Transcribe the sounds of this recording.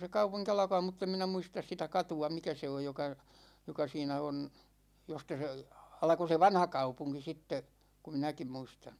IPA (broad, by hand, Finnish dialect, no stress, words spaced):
se kɑupuŋki ɑlɑ̆kɑː mutː em minæ muistɑs sitæ kɑtuɑ mikæ se oj jokɑ jokɑ siːnæ on jostɑ se ɑlko se ʋɑnhɑkɑupuŋki sitːe ku minækim muistɑn̥